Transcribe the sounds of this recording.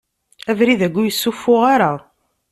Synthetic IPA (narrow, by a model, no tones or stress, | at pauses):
ævɾiðæɡʷːujəsːufːʊʁaɾa